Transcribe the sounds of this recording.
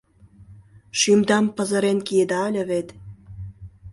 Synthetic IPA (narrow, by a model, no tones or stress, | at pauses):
ʃymd̪ɑmpɤ̆zə̆ɾenkied̪ɑlʲə̆βet̪